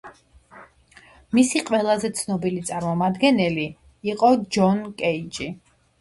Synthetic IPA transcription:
misiqʼwɛlˠazɛt̪sʰnɔbilit̪sʼaɾmɔmad̪ɡɛnɛli | iqʼɔd͡ʒɔnkʼɛit͡ʃʼi

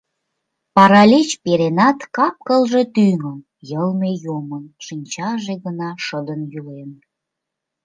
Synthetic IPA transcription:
pɑɾɑlʲet͡ɕpeɾenɑt̪kɑp̚kəlʒe̽t̪yŋəm | jəlmejomənʃinʲt͡ɕɑʒeɣənɑʃəd̪ənjulen

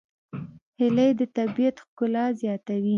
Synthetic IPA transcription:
hɪləjd̪ət̪abijat̪xkʊlɑzjɑt̪awi

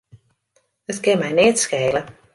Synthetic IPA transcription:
ətkɪnmɛjnɪtskeːlə

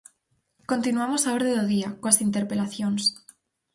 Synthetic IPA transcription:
ko̞nt̪inuamo̞saoɾðeðoðiakwasint̪e̞ɾpe̞laθjo̞ns

